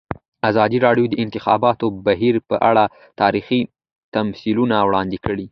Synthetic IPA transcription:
azɑd̪iɾɑɽjod̪əɪnt̪ɪxɑ̰bɑt̪obaɦiɾpəʔaɽa | t̪ɑɾixi | t̪amsilunawɽɑnd̪ɪkəɽi

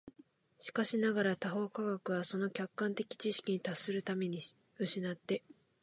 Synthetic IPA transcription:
ɕi̥kaɕinaɡaɾat̪aɦo̞ːkaɡakɯ̟βaso̞no̞kʲakːãnt̪e̞kʲi̥t͡ɕiɕi̥kʲiɲ̟it̪asɨɾɯ̟t̪ame̞ɲ̟i | ɯ̟ɕinat̪ːe̞

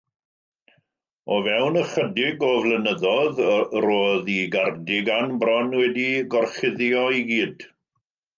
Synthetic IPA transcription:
ɔvɛwnəχədɪɡɔvlˠənəðɔðroːðiɡardɪɡanbrɔnwɛdiɡɔrχɪðjɔiɡiːd̥

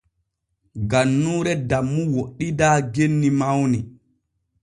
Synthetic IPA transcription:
ɡanːuːɾɛdamːuwoɗːidaːɡenːimawni

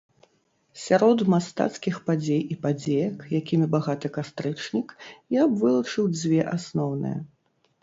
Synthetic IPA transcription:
sʲaɾɔd̪mast̪a̰t̪skʲixpad͡zʲejipad͡zʲejɐkjakʲimʲibaɣat̪ɨkast̪ɾɨt͡ʂnʲikjabvɨlˠɐt͡ʂɨwd͡zʲvʲɛʔasnɔwnɨ̰jɐ̰

